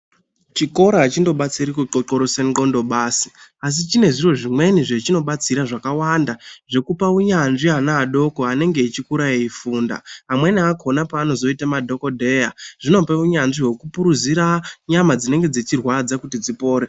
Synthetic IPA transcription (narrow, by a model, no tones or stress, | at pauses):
t͡ʃiko̞ɾaːt͡ʃindo̞ɓat͡siɾikuoǃoɾosenikondo̞ɓaːsi̥as̬it͡ʃine̞ʐiro̞ʐimwe̞niʐet͡ʃino̞ɓat͡siɾaʐakawandaʐe̞kupauɲanʐianaːɗo̞ko̞ane̞ŋɡe̞it͡ʃikuɾaiifuːnda̰ɦamwe̞niako̞napaːno̞zo̞itamadʱo̞ko̞dʱe̞jaʐ̥ino̞peuɲanʐiɦe̞kupuɾuziɾaɲamad͡zine̞ŋɡe̞d͡ze̞t͡ʃirwad͡zakutid͡zipo̞ːɾe